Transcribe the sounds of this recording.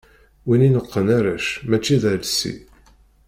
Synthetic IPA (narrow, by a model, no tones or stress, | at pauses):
wininəqːənæɾæʃmæt͡ʃːiðælsḭ